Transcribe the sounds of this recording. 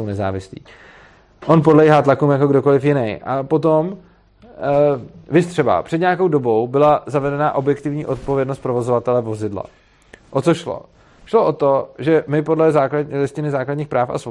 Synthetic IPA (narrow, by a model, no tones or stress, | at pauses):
ownɛza̰ːvɪslḭː | ʔo̞np̬odlɛjɦaːt̪lakuːmjako̞ɡdo̞ko̞lɪfjɪnɛjʔapo̞t̪̬o̞m | vɪst̪r̥ɛba̰pr̥ɛdɲaako̞wdo̞bo̞wbɪlazavɛdɛnaːʔo̞bjɛkt̪ɪvɲḭːʔo̞t̪̚po̞vjɛdno̞st̪pɾo̞vo̞zovat̪ɛlɛvo̞zɪdla̰ | ʔot̪t͡soʃlo̰ | ʃlo̞ʔo̞t̪o̞ʒɛmɪpo̞dlɛzaːklalɪscɪnɪzaːkladɲiːxpɾaːfa̰s